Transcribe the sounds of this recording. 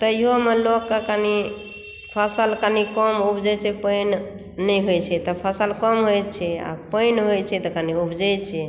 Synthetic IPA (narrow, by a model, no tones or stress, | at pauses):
t̪ɔiɦomelokːekani | pʰasəlkanikɔmubd͡ʒɛt͡ʃʰɛpəjnː | ɛjɦojt͡ʃʰɛt̪ɔpʰasəlkɔmɦojt͡ʃʰɛa̰pəjnɦojt͡ʃʰɛt̪ɔkaniubd͡ʒɛjt͡ʃʰɛ